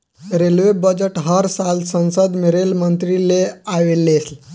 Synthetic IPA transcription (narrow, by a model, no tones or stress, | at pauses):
ɾelʋebəd͡ʑeʈɦəɾsalsə̃nsəd̪miɾelmənt̪ɾileaʋelesl